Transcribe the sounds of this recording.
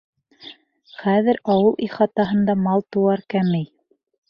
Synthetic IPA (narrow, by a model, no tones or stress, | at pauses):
χæðɘɾɑwɤlˠʔiχɑt̪ɑɦɤ̆nd̪ɑmɑlˠt̪uwɑɾkæmɘj